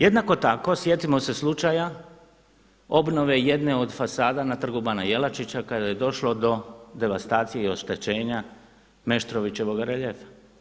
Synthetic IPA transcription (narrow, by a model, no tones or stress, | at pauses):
je̞d̪nako̞t̪ako̞sje̞t̪imo̞se̞slˠut͡ʃaja | o̞bno̞ʋe̞je̞d̪neo̞d̪fasaːd̪anat̪r̩ɡubanaje̞lat͡ʃit͡ɕakad̪aje̞d̪o̞ʃlo̞d̪o̞d̪e̞ʋast̪aːt̪sije̞io̞ʃt̪e̞t͡ɕe̞ːɲa | me̞ʃt̪ɾoʋit͡ɕe̞ʋo̞ɡaɾeʎefḁ